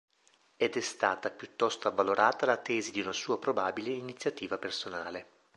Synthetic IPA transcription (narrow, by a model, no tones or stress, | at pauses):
ɛd̪ɛst̪aːt̪apjut̪ːɔst̪oavːaloɾʔaːt̪alat̪ɛːzid̪iunasuːapɾobaːbileinit̪sːjat̪iːvapersonaːle